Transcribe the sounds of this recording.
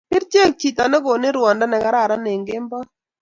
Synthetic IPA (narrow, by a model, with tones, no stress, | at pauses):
pɪ˦ɾt͡ʃje˦˨k̚t͡ʃi˨t̪a˨nɛ˦ɡo˨nɪ˦ɾwɔ˨nda˦nɛ˨ka˨˦ɾa˦˨ɾa˦ne˨ŋɡɪ˦mbɔ˦